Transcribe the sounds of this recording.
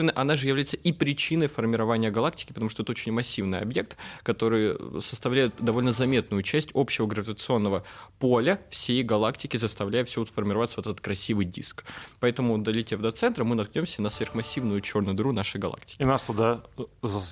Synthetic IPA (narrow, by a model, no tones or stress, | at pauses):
nɨʔɐnaʐɨjɪvlʲæjɪt̪səʔipɾʲɪt͡ɕinəjfərmʲɪɾɐvanʲɪjəɡɐlˠak̚tʲɪ̥kʲɪpət̪ɐmuʂt̪oɛt̪ot͡ɕɪnʲmɐsʲːivnɨjɐ̰bje̞k̚t̪kɐt̪o̞ɾɨjsə̥st̪ɐvlʲæjʊt̪̚d̪ɐvo̞lʲnəzɐmʲe̞t̪̚nʊjʊt͡ɕæsʲtʲo̞pɕɪvəɡɾəvʲɪt̪ət̪sɨo̞nːəvəpolʲəfsʲejɡɐlˠaktʲɪkʲɪzəst̪ɐvlʲæjɪfsʲfərmʲɪɾɐvat̪səvot̪ɛt̪ət̪̚kɾɐsʲivɨjdʲḭskpɐɛt̪əmʊd̪ɐlʲɪtʲevd̪ɐt̪sɛnt̪ɾəmɨnɐt̪knʲomsʲənəsvʲe̞rxmɐsʲːivnʊjʊt͡ɕo̞rnɨjd̪ɾunaʂɨjɡɐlˠa̰ktʲɪ̥kʲnast̪ʊd̪az